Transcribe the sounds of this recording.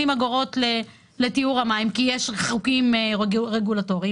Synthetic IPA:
imaɡoʁo̞tle | letiuʁamaimkijeʃʁeχukimeʁeɡulato̞ʁi

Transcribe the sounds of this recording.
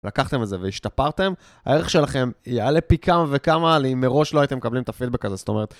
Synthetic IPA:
lakaχt̪e̞meze̞veiʃt̪apaʁt̪e̞m | ha̰e̞ʁeχʃe̞laχe̞malepikʰamave̞kamalimːe̞ʁo̞ʃloajit̪emekablimet̪afid̪be̞kazest̪o̞me̞ʁet̪

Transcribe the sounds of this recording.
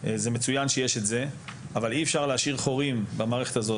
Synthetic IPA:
ze̞met͡sujanʃejeʃe̞t̪ze̞ | avaliefʃaʁleaʃiʁχo̞ʁimbamaːʁeχet̪azo

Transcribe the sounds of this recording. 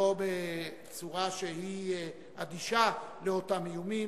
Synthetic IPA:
obe | t͡suʁaʃehi | ad̪iʃaleotamejumi

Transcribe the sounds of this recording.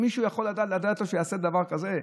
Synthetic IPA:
miʃuːjaχo̞lːad̪aːt̪lad̪aːt̪loʃejaːsed̪avaʁkaze

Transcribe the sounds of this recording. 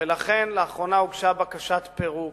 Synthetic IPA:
elaχe̞nleaχʁo̞nauɡʃabakaʃat̪pe̞ʁu

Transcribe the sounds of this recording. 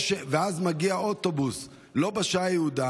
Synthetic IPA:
ʃeveazmaɡiaot̪obus | lo̞baʃajeuda

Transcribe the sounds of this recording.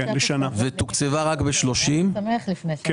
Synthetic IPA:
leʃanavet̪ukt͡sevaʁakbeʃlo̞ʃimɐmeaχlifnek

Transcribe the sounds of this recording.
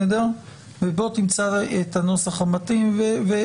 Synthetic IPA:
ed̪aʁ | vebo̞t̪imt͡saet̪anosaχamat̪imveve

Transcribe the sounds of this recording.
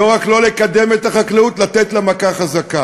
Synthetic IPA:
oʁaklo̞le̞kad̪e̞met̪aχakleut̪lat̪etlamakaχazaka

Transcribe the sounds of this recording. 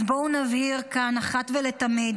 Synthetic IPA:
bounavhiʁkanaχat̪velet̪amid̪

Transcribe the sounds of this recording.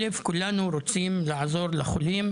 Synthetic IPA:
lefkʊlːaːnuɾot̪t͡siːmlaʕazoːɾˤlaxʊliːm

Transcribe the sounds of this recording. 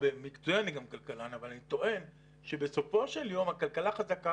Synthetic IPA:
bemikt͡suianiɡamkalkalanavalanit̪o̞ʔe̞n | ʃebe̞so̞fo̞ʃe̞ljo̞mhakalkalaχazaka

